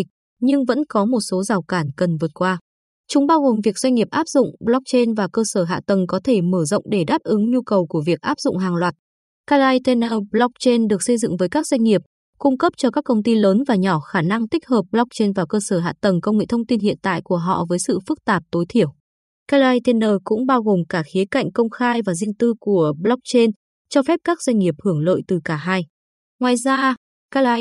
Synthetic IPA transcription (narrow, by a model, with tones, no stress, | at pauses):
k̚ | ɲɨ˧ŋvə̰˧˥nkɔ˨˦mo˨˩t̚so˨˦zaː˨˩wkaː˧˩nkə˨˩nvɨ˨˩ət̚kwaː˧ | t͡ɕʊ˨˦ŋ͡mɓaː˧wɣo˨˩mvi˨˩ək̚zwjŋ̟ŋi˨˩əp̚ʔaː˦˥p̚zʊ̰˧˨ŋ͡mɓlɔ˦˥k̚t͡ɕe˧nvaː˨˩kəː˧səː˧˩ɦa̰ː˧˨t̪ə˨˩ŋkɔ˨˦t̪ʰe˧˩məː˧˩zə̰˧˨wŋ͡mɗe˧˩ɗaː˦˥p̚ʔɨ˨˦ŋɲu˧kə˨˩wku˧˩əvi˨˩ək̚ʔaː˦˥p̚zʊ̰˧˨ŋ͡mɦaː˨˩ŋlwaː˨˩t̚ | ka˧laː˧jt̪e˧na˧blɔ˦˥k̚t͡ɕe˧nɗɨ˨˩ək̚sə˧jzɨ̰˧˨ŋvəː˨˦jkaː˦˥k̚zwa˧ŋ̟ŋi˨˩əp̚ | kʊ˧ŋ͡mkə˦˥p̚t͡ɕɔ˧kaː˦˥k̚kə˧wŋ͡mt̪i˧ləː˨˦nvaː˨˩ɲɔ˧˩xaː˧˩na˧ŋt̪i˦˥k̟̚həː˨˩p̚ɓlɔ˦˥k̚t͡ɕe˧nvaː˨˩wkəː˧səː˧˩ɦa̰ː˧˨t̪ə˨˩ŋkə˧wŋ͡mŋḛ˧˨t̪ʰə˧wŋ͡mt̪i˧nhḭ˧˨ənt̪a̰ː˧˨jku˧˩əɦɔ̰˧˨vəː˨˦jsɨ̰˧˨fɨ˦˥k̚t̪aː˨˩p̚t̪o˨˦jt̪ʰi˧˩əw | kaː˧laː˧jt̪ɛ˧nəː˧kʊ̰˧˥ŋ͡mɓaː˧wɣo˨˩mkaː˧˩xi˨˦ka̰˧˨jŋ̟kə˧wŋ͡mxaː˧jvaː˨˩zi˧əŋt̪ɨ˧ku˧˩əɓlɔ˦˥k̚t͡ɕe˧n | t͡ɕɔ˧fɛ˦˥p̚kaː˦˥k̚zwa˧jŋ̟ŋi˨˩əp̚hɨ˧˩əŋlə̰ː˧˨jt̪ɨ˨˩kaː˧˩ɦaː˧j | ŋwaː˨˩jzaː˧ | ka˧la˧